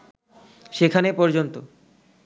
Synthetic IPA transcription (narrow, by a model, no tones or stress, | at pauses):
ʃekʰanepɔɾd͡ʑont̪o